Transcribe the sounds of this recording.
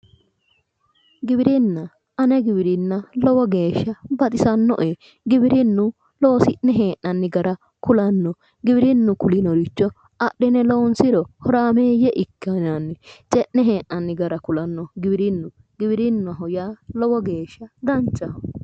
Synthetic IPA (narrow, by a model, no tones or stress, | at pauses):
ɡɪbɪɾɪnːɐ | ɐnɛɡɪbɪɾɪnːɐlɔwɔɡe̞ːʃːɐbɐt̪ʼɪsɐnːɔ̰ʔe | ɡɪbɪɾɪnːʊ | loːsɪʔnɛɦeːʔnɐnːɪɡɐɾɐ | kʊlɐnːɔ | ɡɪbɪɾɪnːʊkʊlɪnɔɾɪt͡ʃːɔ | ɐɗːɛnɛloːnsɪɾɔhɔɾaːmeːjɛʔɪkːɐnanːɛt͡ʃʼɛʔnɛɦeːʔːɐnːɪɡɐɾɐkʊlɐnːɔɡɪbɪɾɪnːʊ | ɡɪbɪɾɪnːʊɐɦɔjaːlɔwɔɡe̞ːʃːɐd̪ɐnt͡ʃːɐ